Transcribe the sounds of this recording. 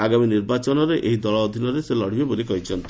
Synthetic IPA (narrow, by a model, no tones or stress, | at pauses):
aɡaminiɾbat͡ʃɔnɔɾeʔeɦid̪ɔɭɔːd̪ʱinɔɾeselɔɽ̤ibebolikɔɦit͡ʃʰɔnt̪i